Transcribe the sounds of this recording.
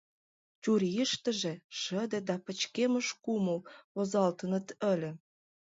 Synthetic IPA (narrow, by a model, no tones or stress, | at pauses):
t͡ɕuɾiʃt̪ə̆ʒĕʃəd̪ĕd̪ɑpə̆t͡ɕkemə̆ʃkuməlozɑlt̪ənə̆t̪ə̆lʲə̆